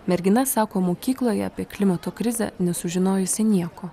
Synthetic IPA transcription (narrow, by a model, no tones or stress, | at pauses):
mʲɛɾʲɡʲɪnɐsɑːkoːmoːkʲiːklˠoːjɛɐpʲiɛklʲɪmɐt̪oːkɾʲɪzʲɛ̰nʲɛsʊʒʲɪnoːjʊsʲɪnʲiɛkoː